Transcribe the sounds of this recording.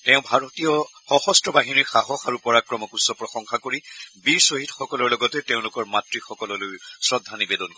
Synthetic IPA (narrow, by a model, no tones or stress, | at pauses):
teʊ̃bʱaɹotijɔxɔxɔstɹɔbaɦiniɹxaɦɔxaɹupɔɹakɹɔmɔkusːɔpɹɔxɔŋxakoɹibiɹsoɦitxɔkɔlɔɹlɔɡɔtɛteʊ̃lʊkɔɹmatɹixɔkɔlɔlʊjsɹɔdʱːanibedɔnɔ